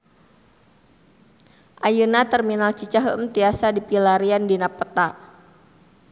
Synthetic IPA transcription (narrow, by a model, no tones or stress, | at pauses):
ʔajunat̪ərminalt͡ʃit͡ʃaɦəʔəmt̪iasadipilaɾiandinapət̪aʔ